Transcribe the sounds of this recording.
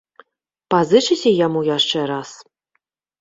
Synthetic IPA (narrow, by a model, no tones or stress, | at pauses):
pazɨt͡ʂɨsʲɐjamujaʂt͡ʂɛɾas